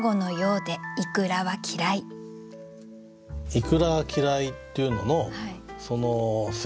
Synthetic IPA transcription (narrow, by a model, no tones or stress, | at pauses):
ɡo̞no̞jo̞ːd̪e̞ikɯ̟ɾaβakʲʰiɾai | ikɯ̟ɾaβakʲiɾait̪ːeɯ̟no̞nohaiso̞nos